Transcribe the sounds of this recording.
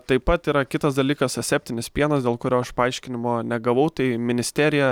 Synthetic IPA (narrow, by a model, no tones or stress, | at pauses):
t̪ɐɪpɐt̪iːɾɐkʲɪt̪ɐsd̪ɐlʲiːkɐsɐsʲæːp̚ʲt̪ʲɪnʲɪspʲiɛnɐsdʲeːlˠkʊɾʲoːɐʃpɐɐɪʃʲkʲɪnʲɪmoːnʲɛɡɐʋɐʊt̪ɐɪmʲɪnʲɪsʲt̪ʲæːɾʲɪjɛ